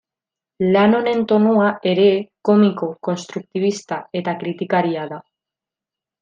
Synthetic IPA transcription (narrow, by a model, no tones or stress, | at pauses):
lano̞ne̞nt̪o̞nuaeɾekomikoko̞nst̪ɾuk̚t̪iβ̞ist̪ae̞t̪akɾit̪ikaɾiaða